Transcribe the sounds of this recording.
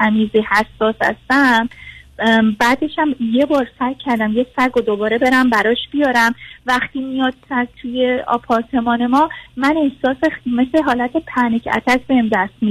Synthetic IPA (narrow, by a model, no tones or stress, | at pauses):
æmiːzihæsːɒːsæ̰st̪æm | bæːd̪eʃæmjebɒːɾsæɾkʰːæɾd̪æmjecsæɾɡod̪obɒːɾe̞be̞ɾæmbæɾɒːʃb̥ijɒːɾæmvæxt̪iːmijɒːd̪sæt̪ʰuje̞ɒ̰ːpʰɒːɾt̪ʰe̞mɒːne̞mɒːmæne̞hsɒːsemesleɦɒːlæt̪ʰe̞pʰænecʰæ̰t̪ʰæʃʰbehemd̪æst̪mi